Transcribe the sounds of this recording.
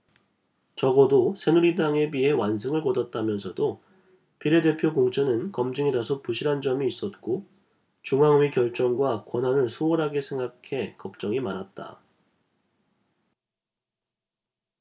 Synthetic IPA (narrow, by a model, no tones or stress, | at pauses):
t͡ɕʌɡʌdosʰe̞nuɾidaŋe̞biɦe̞wans̬ʰɯŋɯɭkʌdat̚t͈amjʌnsʰʌdo | piɾede̞pʰjokoŋt͡ɕʰʌnɯnkʌmd͡ʑɯŋedasʰopuɕʰiɾɦand͡ʑʌmiːs͈ʌt̚k͈o | t͡ɕuŋaŋɥikjʌɭt͡ɕ͈ʌŋɡwakwʌnɦanɯɭsʰooɾɦaɡe̞sʰe̞ŋɡakʰe̞kʌp̚t͡ɕ͈ʌŋimanat̚t͈a̰